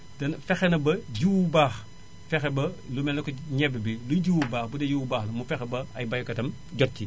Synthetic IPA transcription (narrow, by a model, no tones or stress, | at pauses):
dɐnfɛxenɐbɐɟuwbaːx | fɛxebɐlumɛlɐkɔɲɛbebiluɟuwbaːxbudejuwbaːxlɐmufɛxebɐɐjbɐjkɐtɐm | ɟɔt̚ci